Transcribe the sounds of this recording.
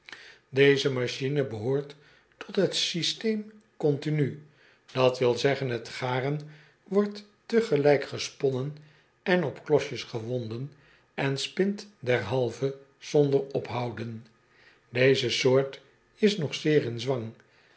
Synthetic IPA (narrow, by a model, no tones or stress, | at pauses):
dejzəmaʃinəbəɦʊːɹtː | ɔtɦətsistejm | kɔntiny | d̥ɑtʋɪlˠzɛχənɦətχaːrən | ʋɔɹtː | əχəlɛjkχəspɔnən | ɛnɔpklɔʃəsχəʋɔndən | ɛnspɪntdɛɹɦɑlˠvə | z̥ɔndəɹɔpɦɑwdən | dejzəsʊːɹt | ɪsnɔχsɪːɹɪnzʋɑŋ